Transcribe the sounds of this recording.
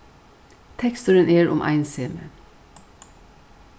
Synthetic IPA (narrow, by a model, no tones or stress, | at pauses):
t̪ʰɛkst̪əɾənʔeːɹʔʊ̰mʔæ̰ɪnseːmə̰